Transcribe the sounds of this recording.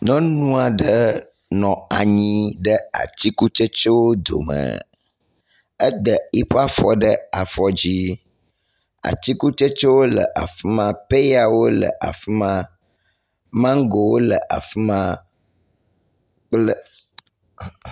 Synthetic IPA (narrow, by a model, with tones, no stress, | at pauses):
nɔ̃˦nũ˦a˨ɖə˦ | nɔ̃˨a˨ɲĩ˦ɖə˦a̰˨t̪i˦ku˦t͡ʃe˦t͡ʃo˦wo˦d̪o̰˨mə̰̃˨ | ə˦d̪ə˨i˦ɸa˦fɔ˦ɖə˦a˨fɔ˦d͡ʑi˦ | a̰˨t̪i˦ku˦t͡ʃe˦t͡ʃo˦wo˦lə̰˨ʔa˨fi˦mã˦pe˦ja˨wo˦lə̰˨ʔa̰˨fi˦mã˦ | mã˦ŋ˦ɡo˨wo˦lə˨ʔa̰˨fi˦mã˦ | k͡plə˦